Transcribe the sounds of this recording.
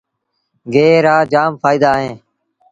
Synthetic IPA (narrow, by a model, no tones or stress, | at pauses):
ɡeːɾaːd͡ʒaːmfaːiːd̪aːɦẽː